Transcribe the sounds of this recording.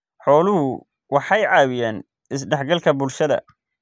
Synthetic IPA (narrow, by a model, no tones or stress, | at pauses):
ħɔːlʊɦʊ | wɑħɑjʕɑːwɪjæːn | ɪsɖɛħɡɐlkʰɐbʊlʃɐðɐ̰